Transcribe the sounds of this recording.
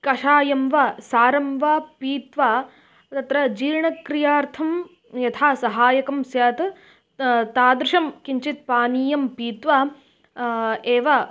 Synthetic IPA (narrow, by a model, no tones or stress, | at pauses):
kɐʂaːjɐmʋɐsaːɾɐmʋaːpiːt̪ʋaː | t̪ɐt̪ɾɐd͡ʒiːɾɳɐkɾijaːɾt̪ʰɐm | jɐt̪ʰaːsɐɦaːjɐkɐmsjaːt̪ɐ | t̪aːd̪ɾɪʂɐmkiɲt͡ʃit̪̚paːniːjɐmpiːt̪ʋa | eːʋɐ